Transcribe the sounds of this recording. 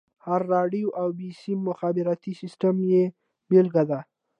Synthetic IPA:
haɾːɑɖijoʔawbisimʊxabɪɾat̪isɪsʈamje | belɡad̪a

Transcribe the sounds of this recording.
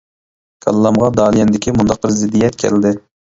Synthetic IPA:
kʰɑ̰lˠːɑmʁɑd̪ɑːlˠijɛnd̪ɪkʲʰimund̪ɑq̚bəɾzɪd̪ijɛt̪̚kʲʰɛ̰ld̪ɪ

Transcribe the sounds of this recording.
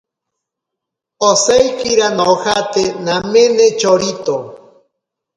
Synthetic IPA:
osejkiɾanaohat̪enamend̪et͡ʃoɾit̪o

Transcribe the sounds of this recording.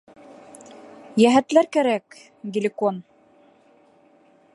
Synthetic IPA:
jæɦæt̪læɾkæɾæk | ɡʲɪlʲɪkon

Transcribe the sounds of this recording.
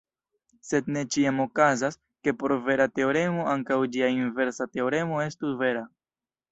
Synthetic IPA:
se̞d̚ne̞t͡ʃiamo̞kazas | ke̞po̞ɾve̞ɾate̞o̞ɾe̞mo̞ʔaŋkawd͡ʒiainve̞ɾsate̞o̞ɾe̞mo̞e̞stusve̞ɾa

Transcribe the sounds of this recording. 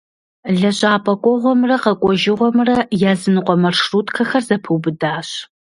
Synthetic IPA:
ɮɐɕʼaːpʼɐkʷʼɔʁʷɔmrɐqɐkʷʼɔʒɪʁʷɔmrɐjaːzɨnɨqʷʼɔmɐrʂruːtʰkʰɐxɐrzɐpʰɨwbɨdaːɕ

